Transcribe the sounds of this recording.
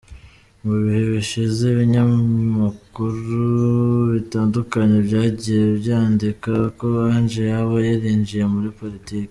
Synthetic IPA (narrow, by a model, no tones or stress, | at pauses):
muβihe̞βiʃizeβiɲamukuɾuβitaːndukaɲe̞bɟaːɟijeβjaːndikakoβaːnd͡ʒejaβojaɾiːɲd͡ʒije̞muɾipo̞ɾitiːke̥